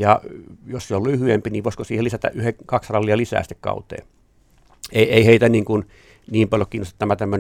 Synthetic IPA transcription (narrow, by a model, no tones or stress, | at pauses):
jɑjosseollyhyempiniːʋoˑiskosiːhelisæt̪æ̰ʔyhekɑksrɑlːiɑlisæ̰ːsi̥t̪ːekkɑ̰ˑut̪ḛː | eieˑiheˑit̪æniːŋkun | niːmpɑljokiːnost̪ɑt̪ːæmæt̪æmːøn